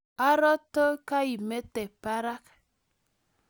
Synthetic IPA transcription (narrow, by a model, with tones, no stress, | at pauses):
a˦ɾɔ˦to˦ka˦i˨me˦te˨pa˦ɾa˦k